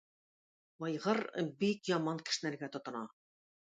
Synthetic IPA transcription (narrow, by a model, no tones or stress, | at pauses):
wɑjʁɤɾbikjɑmɑŋkɘ̥̆ʃɘ̆næɾɡæt̪ŏt̪ŏnɑ